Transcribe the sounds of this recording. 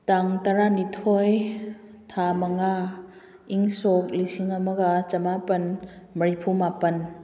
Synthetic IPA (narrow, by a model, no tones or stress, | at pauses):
taŋtaɾanitʰoj | tʰamaŋa | iŋsok̚lisiŋamɐɡat͡ʃɐmapɐn | mɐɾipʰumapən